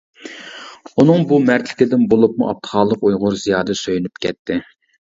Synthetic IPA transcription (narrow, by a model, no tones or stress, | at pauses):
unɨŋbumæɾt̪ʰlɪ̥kʲɪd̪ɪnbolˠup̚muʔɑp̚t̪ʰə̥χɑːlˠːəqujʁʊɾzijɑːd̪ɨsøjynypkʲʰɛt̪ʰːɪ